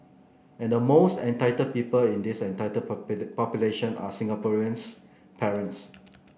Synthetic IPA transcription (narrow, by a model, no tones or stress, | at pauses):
ɛ̃ndəmostɛ̃ntaɪtəd̚pipəlĩndisɛ̃ntajtədpɔpjuleʃə̃na̰sĩŋɡapɔɹiə̃ns | pʰɛɹə̃nts